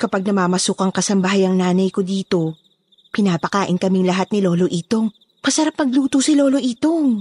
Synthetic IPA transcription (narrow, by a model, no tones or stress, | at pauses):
kɐpaɡ̚nɐmaːmɐsuːkɐŋkɐsɐmbɐɦajɐŋnaːnɐjkod̪iːt̪o̞ | pɪnaːpɐkaːʔɪnkɐmiŋlɐɦat̪̚nɪlo̞ːlo̞ʔiːt̪o̞ŋ | pɐsɐɾap̚mɐɡ̚luːt̪osɪloːlo̞ʔiːt̪oŋ